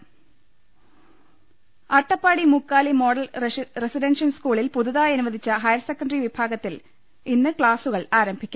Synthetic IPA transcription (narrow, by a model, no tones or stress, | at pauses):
ɐʈːɐpːaːɽimukːaːlimo̞ːɽɐlresiɖenʂɐnskuːɭilpuðuðaːjɐnuʋɐd̪ʱit͡ɕːɐɦɐjɐɾɐsekːɐɳɖɐriʋibʱaːɡɐt̪ːil | inːɨkɭaːsuɣɐɭaːɾɐmbʱikʲːum